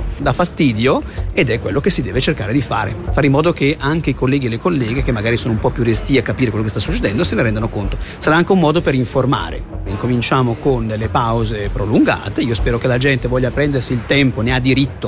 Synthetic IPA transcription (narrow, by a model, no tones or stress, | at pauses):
d̪afast̪iːd̪joed̪ɛkːwelːokesːid̪ɛːvet͡ʃerkaːɾed̪ifa̰ːɾḛfaːɾimːɔːd̪okeʔaŋk̟eikolːɛːɡielːekolːɛːɡek̟emːaɡaːɾisoːnoumpɔpːjurest̪iakːapiːɾekwelːokest̪asːut͡ʃːed̪ɛnd̪oseneɾɛnd̪anokont̪osaɾaaŋk̟eumːɔːd̪opeɾiɱforma̰ːɾḛiŋkomint͡ʃaːmokond̪elːepawzepɾoluŋɡa̰ːt̪eiospɛːɾokelad͡ʒɛnt̪evɔʎːapɾɛnd̪ersiːlt̪ɛmponead̪ːiɾit̪ːo